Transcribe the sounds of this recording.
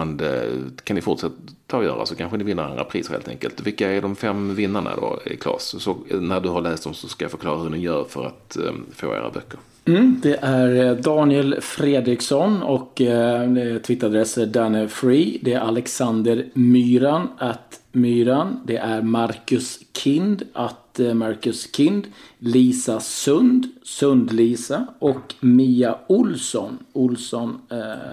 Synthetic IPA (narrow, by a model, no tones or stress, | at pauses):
nd̪ɛ̰kʰanɪfʊʈʂɛt̪ː | t̪ʰːɑːjœ̰ːɾʔa̰sɔkʰanɧənɪvɪnːəɾa̰nd̪ɾa̰pʰɾiːsəɾhḛːlt̪ɛ̰ŋkəlt̪vɪlkːaæɖɔmfɛmːvɪnːaɳa̰d̪o̰ɪ̰kʰlɑ̰ːssɔnæɖɵhaɭɛːst̪d̪ɔmsɔskajafœɾkʰlɑ̰ːɾahɵɳɪjœːɾfœɾa̰t̪fo̰ːḛːɾa̰bœkːəɾ | m̩ːd̪ɛʔæɾd̪ɑːnɪɛlfɾeːd̪ɾɪksɔnɔkː | t̪ʰvɪt̪ːəɾad̪ɾɛsəd̪ɛnəfɾiːd̪ɛæɾʔalɛksand̪əɾmyːɾanat̪myːɾand̪ɛʔæɾmaɾkɵskʰɪnd̪at̪maɾkɵskʰɪnd̪liːsasɵnd̪sɵnd̪liːsaʔɔkmiːaʊlsɔnʊlsɔn